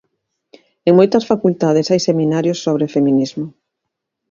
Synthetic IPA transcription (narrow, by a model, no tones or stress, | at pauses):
eŋmojt̪ɐsfakult̪aðesajsemĩnaɾjʊsːoβɾefemĩnizmʊ